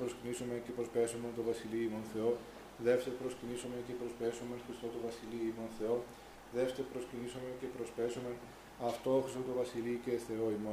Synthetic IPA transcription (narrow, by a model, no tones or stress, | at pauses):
pɾoscinisomecepɾospesoment̪ovɐsiliimo̞nθe̞o | ðefst̪eɾpɾoscinisomecepɾo̞speso̞menxɾist̪ot̪ovɐsiliimo̞nθe̞o̞ | ðefst̪eɾpɾoscinisomecepɾospeso̞men | ɐft̪o̞xɾist̪ot̪ovɐsiliceθe̞o̞imon